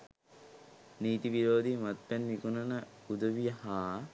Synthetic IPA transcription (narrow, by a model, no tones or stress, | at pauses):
niːt̪iʋiɾoːd̪imɐt̪̚pɛnːikunɐnəud̪əʋijəhaː